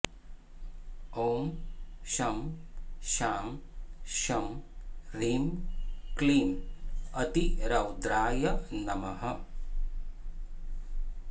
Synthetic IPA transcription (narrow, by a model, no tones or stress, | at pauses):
oːmʃɐmʃaːmʃɐmɾiːmkliːmɐt̪iɾɐwd̪ɾaːjɐnɐmɐɦɐ